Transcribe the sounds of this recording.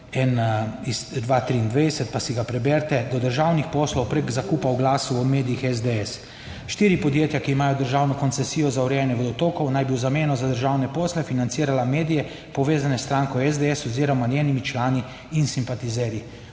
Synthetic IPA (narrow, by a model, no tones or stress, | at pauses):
ɛnizd̪ʋaːt̪ɾiːnd̪ʋeɛsɛt̪̚pasiɡapɾɛbɛɾt̪ɛd̪ɔd̪əɾʒaːwnixpɔːslɔwpɾeɡzakuːpawɡlaːsuɔmeːd̪ijixɛzd̪eɛs | ʃt̪iːɾipɔd̪jeːt̪jakiːmaːjɔd̪əɾʒaːwnɔkɔnt̪sɛsiːjɔzawɾɛɛnjɛʋəd̪ɔt̪oːkɔwnajbiwzameːnɔzad̪əɾʒawnɛpɔːslɛfinant̪siːɾalameːd̪ijɛ | pɔʋeːzanɛst̪ɾaːŋkɔwɛzd̪eɛsɔziːɾɔmanjeːnimit͡ʃlaːniː | nsimpat̪izɛːɾi